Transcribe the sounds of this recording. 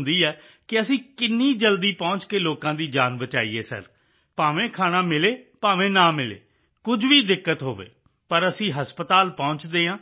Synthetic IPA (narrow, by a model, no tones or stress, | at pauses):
nd̪iːɛː | kɪəsĩːkɪnːiːd͡ʒəld̪iːpɔ̃ːɲt͡ʃkeːloːkãːd̪iːd͡ʒaːnbət͡ʃa̰ːḭːḛːsə̰ɾ | paːʋẽːkʰaːɽ̃aːmɪleːpaːʋẽːnãːmɪlḛː | kʊd͡ʒʋiːd̪ɪkːət̪ɦoːʋḛː | pəɾəsĩːɦəspət̪aːlpɔ̃ːnt͡ʃd̪eːãː